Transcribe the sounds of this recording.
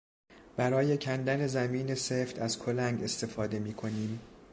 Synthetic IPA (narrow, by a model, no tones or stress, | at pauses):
b̥æɾɒːje̞cʰænd̪æne̞zæmiːne̞seːft̪ʰæzkʰo̞læŋɡe̞st̪e̞fɒːd̪e̞miːkʰo̞niːm